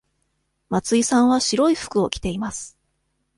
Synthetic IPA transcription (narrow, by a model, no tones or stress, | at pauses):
mat͡sɨisãɰ̃βaɕiɾo̞iɸɯ̥kɯ̟o̞kʲi̥t̪e̞imasɨ̥